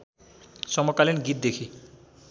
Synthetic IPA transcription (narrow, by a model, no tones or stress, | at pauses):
sɔmɔkalinɡit̪̚d̪ekʰi